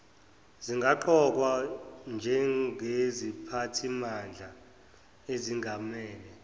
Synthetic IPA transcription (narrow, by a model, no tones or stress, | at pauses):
ziŋɡʱaǃɔk̬wand͡ʒʱɛezipʰatʰimand͡ɮʱa | eziŋʱamɛːlɛ